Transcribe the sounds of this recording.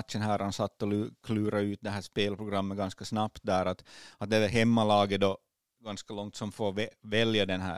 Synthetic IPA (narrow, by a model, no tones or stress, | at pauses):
t̪ʃənɦæːɾhansɑt̪ːɔlːkʰlʉːɾaʉːt̪̚d̪ɛɦæːʂpeːlpʰɾʊɡɾamːət̪̚ɡɑnskɑsnɑpt̪̚d̪æːɾat̪ɑt̪̚d̪ɛɛɦɛmːalɑːɡəd̪ɔ | ɡanskalɔŋt̪sɔmfoːʋɛʋɛljɑd̪ɛnɦæ̰ː